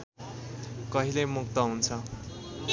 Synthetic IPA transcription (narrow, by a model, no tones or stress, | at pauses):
kʌɦilʌjmukt̪ʌɦunt͡sʰʌ